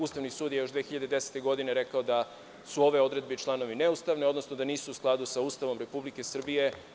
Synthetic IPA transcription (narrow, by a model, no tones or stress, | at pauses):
uːst̪aʋnisuːd̪jejo̞ʃd̪ʋeːxiʎad̪ed̪ese̥t̪e̞ɡo̞d̪ine̞ɾe̞kaod̪a | suo̞ʋe̞o̞d̪ɾe̞d̪beit͡ʃlˠano̞ʋineust̪aʋneod̪no̞snod̪aniːsuːsklˠad̪usauːst̪aʋo̞mɾe̞publike̞sr̩bije̞